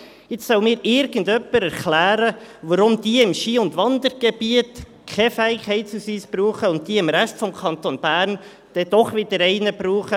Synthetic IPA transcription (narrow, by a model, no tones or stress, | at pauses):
ɪt͡ssœʊmɪːɾɪɾɡ̥əndœpːəɾɛɾklæːɾəʋəɾʊmd̥iɪmʃiːʊndʋɑnd̪əɾɡ̥eb̥iət | kʰɛfɛɪkʰhɛɪtsusyːsb̥ɾuːχəʊnt̚t̪iːɪmɾæʃtfɔmkʰɑnt̪onb̥æːɾn | d̥ɛd̥̪ɔχʋɪdəɾɛɪnəbɾuːχə